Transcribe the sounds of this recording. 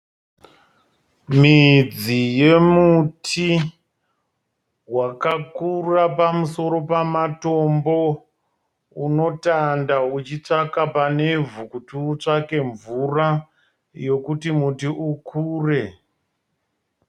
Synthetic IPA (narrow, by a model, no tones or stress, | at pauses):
mid͡zije̞mutʰi | wakakurapamuso̞ɾo̞pamato̞mbo̞ | uno̞tandaut͡ʃit͡ʂakapane̞vukutuːt͡ʂake̞ɱvura | jo̞kutimutiʔukʰuːre̞